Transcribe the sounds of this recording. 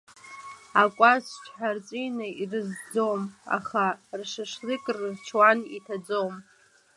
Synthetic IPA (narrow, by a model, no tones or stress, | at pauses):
akʷʼast͡ʃʰħart͡sʼinɨirɨzd͡zowma̰χarʂɨʂlɨkʼrɨzt͡ʃʰwanitʰad͡zowm